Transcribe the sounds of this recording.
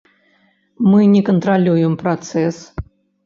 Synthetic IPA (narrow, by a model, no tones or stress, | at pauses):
mɨnʲɛkənt̪ɾalʲujɛmpɾat̪sɛs